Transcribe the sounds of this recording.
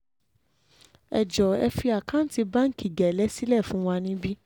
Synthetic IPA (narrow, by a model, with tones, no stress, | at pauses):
ɛ̰˨d͡ʒɔ˨ɛ̰˧fi˧a˨kã˦ti˧bã˦ŋ̩˦˨ki˨ɡɛ˨lɛ˨˦si˦lɛ˦˨fũ˨˦wa˧nĩ˦bi˦